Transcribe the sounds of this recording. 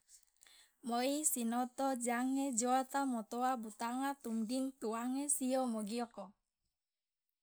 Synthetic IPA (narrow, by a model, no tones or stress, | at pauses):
mɔisinɔt̪ɔd͡ʒaŋed͡ʒɔat̪amɔt̪ɔabut̪aŋat̪umdint̪uaŋesiɔmɔɡiɔkɔ